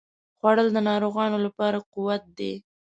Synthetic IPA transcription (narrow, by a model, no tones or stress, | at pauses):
xwaɽəld̪ənɑɾoɣɑnolapɑɾaquwat̪̚d̪ḛ